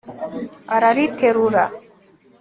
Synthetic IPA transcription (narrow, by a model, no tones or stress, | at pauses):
aɾaɾit̪ʰːeɾuɾa̰